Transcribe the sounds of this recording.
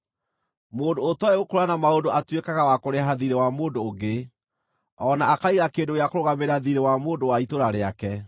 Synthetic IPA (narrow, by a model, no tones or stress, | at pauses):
moːndoːtɔeokoɾanamaondoʔatwekaɣawakoɾeɦaðiɾewamoːndoːɡe | ɔnaːkaiɣakendojakoɾoɣameɾaðiɾewamoːndowaitoɾaɾeakɛ